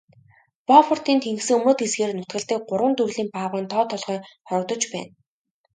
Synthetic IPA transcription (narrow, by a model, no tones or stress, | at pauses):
pɔfɔr̥t̪iːnt̪ʰeŋɡsɘ̆ŋɵmoːt̪esɡeːrnʊt̪ɡə̆ɮt̪iːk̚ɢʊɾwə̆nt̪urɮiːmpaːʁʊːnt̪ʰɔːt̪ʰɔɮʁœːχɔɾɞ̆k̚t̪ɞ̆t͡ɕpæ̰ːn